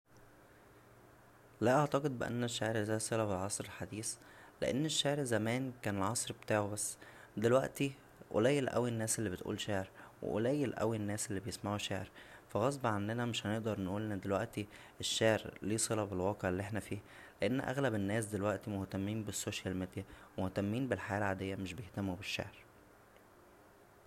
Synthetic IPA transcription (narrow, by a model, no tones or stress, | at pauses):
læʔɑʕt̪ɑqed̪̚beʔæ̰nːeʃːaʕɾzæːsˤelɑbelʕɑsˤɾelħad̪iːs | lḛʔḛnːeʃːaʕɾzæmæːnkæːnelʕɑsˤɾbet̪aːʕobæsː | d̪elwæʔt̪i | ʔo̰læjːelʔæ̰winːæːselːiːbet̪ʔṵːlʃaːʕeɾwḛʔo̰læjːelʔæ̰winːæːselːibejesmæhuʃaːʕeɾfæɣɑsˤbʕand̪enæmeʃhæneʔd̪ɑɾˤnʔuːlʔend̪elwæ̰ʔt̪i | eʃːaːʕeɾliːsˤelɑbelwɑːqeʕelːiʔeħnæfiː | leʔenːʔæ̰ɣlæbenːæːs̬d̪elwæʔt̪imoht̪æmːiːnbesːoːʃælmed̪jæmoht̪æmːiːnbelħajæːlʕaːd̪ejːæmeʃbejeht̪æmubeʃːa̰ʕɾ